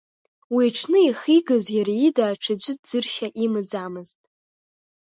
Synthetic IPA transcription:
wiʈ͡ʂʰnɨiχiɡɨzjaɾaidaːʈ͡ʂʰɨd͡ʒʷɪdd͡zɨrʃaʔimɨd͡zamɨztʼ

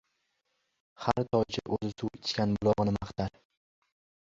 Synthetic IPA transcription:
haɾt̪ʰɒd͡ʒɪʔɵzɪsuwɪt͡ʃ̪kʲanbʊlˠɒʁɨnɪmaχt̪ʰaɾ

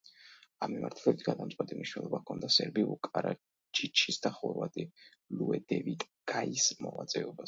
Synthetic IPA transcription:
amːimaɾt̪ʰlɛbit̪ʰɡad̪amt̪sʼɛt̪ʼimniʃwnɛlˠɔbakʰɔnd̪asɛɾbiukʼaɾa | t͡ʃʰit͡ʃʰisd̪aχɔɾvat̪ʼi | luɛd̪ɛvit̪ʼ | ɡ̥aismɔvat̪sʼɛɔba

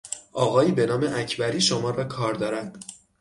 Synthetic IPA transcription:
ʔɒːɣɒːjiːbe̞nɒːme̞ʔæcʰbæɾiːʃomɒːɾɒːkʰɒːɾd̪ɒːɾænd̪̥

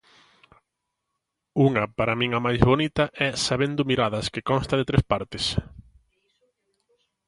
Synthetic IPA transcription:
uŋɐpaɾɐmĩŋɐmajzβonit̪ɐʔɛsaβend̪ʊmiɾaðɐskɪkɔnst̪ɐðet̪ɾespaɾt̪ɪs

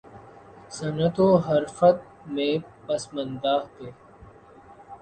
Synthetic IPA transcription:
sɐnət̪oːɦɐɾfət̪̚ | mẽːpɐsmənd̪aːɦt̪eː

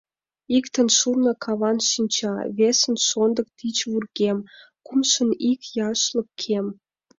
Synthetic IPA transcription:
ikt̪ə̆nʃurnɤ̆kʰɑβɑnʃinʲt͡ɕɑβesə̆nʃond̪ə̆k̚t̪it͡ɕβurɣem | kumʃə̆nikjɑʃlə̆kkʰem

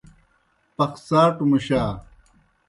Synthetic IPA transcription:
pɐxsaːʈumuɕaː

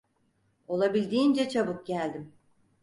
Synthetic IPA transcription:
o̞lˠabilʲd̪iːnd͡ʒɛt͡ʃʰabɯk̚ɟælʲd̪im

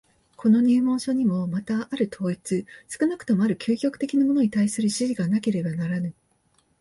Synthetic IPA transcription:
kʰo̞no̞ɲ̟ɨːmõ̞ːɕo̞ɲ̟imo̞mat̪aʔaɾɯ̟t̪ʰo̞ːit͡sɨsɨ̥kɯ̟nakɯ̟t̪o̞mo̞aɾɯ̟kʲɨːkʲo̞kɯ̥t̪e̞kʲinamo̞no̞ɲ̟it̪aisɨɾɯ̟ɕiʑiɡanake̞ɾe̞banaɾanɯ̟

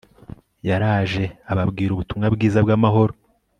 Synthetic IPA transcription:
jaɾaːʒe̞aβabɡiːɾuβutumŋabɡiːzabɡaːmaɦo̞ɾo

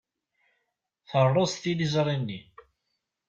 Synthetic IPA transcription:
θərˤːost̪ilizɾˤinːi

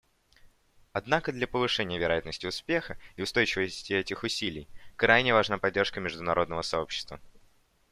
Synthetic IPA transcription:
ɐd̪nakəd̪lʲɐpəvɨʂɛnʲɪjəvʲɪɾɐjat̪nəsʲtʲɪʊspʲe̞xəɪʊst̪o̞jt͡ɕɪvəsʲtʲɪɛtʲɪxʊsʲilʲɪjkɾajnʲɪvɐʐnapɐdʲːerʂkəmʲɪʐd̪ʊnɐɾʔo̞d̪nəvəsɐo̞pɕːɪ̥st̪və

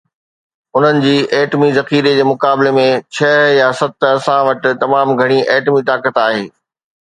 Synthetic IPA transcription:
ʊn̤ənɪ̆d͡ʑiːʔeːʈmizɐxiːɾed͡ʑeːmʊkaːbɪlemẽt͡ɕʰɐɦjasɐt̪ɐsãʋɐʈɪ̆t̪ɐmaːmɡʱɐɽ̃iʔeːʈmit̪aːkət̪aːɦeː

